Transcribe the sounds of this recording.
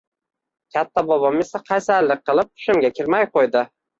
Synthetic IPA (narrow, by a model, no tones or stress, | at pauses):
kʲʰat̪ːabɒbɒmesaqʰɑjsalːɪk̚qːɨlˠɪp̚tʰʊ̥ʃɪmɡʲakʲʰɪɾmajqʰojd̪ɪ